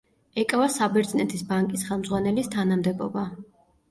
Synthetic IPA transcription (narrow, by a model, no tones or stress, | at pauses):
ɛkʼavasabɛɾd̪znɛt̪ʰisbaŋkʼisχɛlˠmdzʁwanɛlist̪ʰanamd̪ɛbɔ̰ba